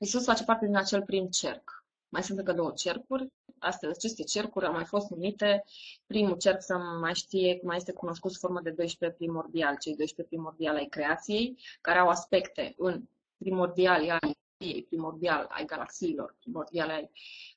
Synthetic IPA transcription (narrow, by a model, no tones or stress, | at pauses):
isusfat͡ʃe̞part̪e̞d̪inat͡ʃe̞lpɾimt͡ʃe̞̰rk | majsɨnt̪ɨŋkəd̪o̞wət͡ʃe̞rkurʲa̰st̪fezʲat͡ʃe̞st̪e̞t͡ʃe̞rkuɾʲawmajfo̞st̪numit̪e̞pɾimut͡ʃe̞rksawmajʃt̪ije̞maje̞st̪ekuno̞skut̪sfo̞rməd̪e̞d̪o̞jʃpepɾimo̞rd̪ialt͡ʃe̞jd̪o̞jʃpepɾimo̞rd̪ialajkɾe̞at̪sije̞jkaɾeawaspe̞kt̪e̞̰ɨn | pɾimo̞rd̪ialaj | ije̞̰jpɾimo̞rd̪iala̰jɡala̰ksiːlo̞̰rpɾimo̞rd̪ialeaj